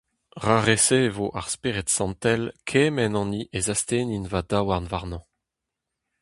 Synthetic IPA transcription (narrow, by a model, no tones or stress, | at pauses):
ʁaʁesevoʔa̰ʁspeʁɛt̪sɑ̃nt̪ɛlkʰeːmɛnɑ̃niʔezast̪eːninvad̪awaʁnvaʁnɑ̃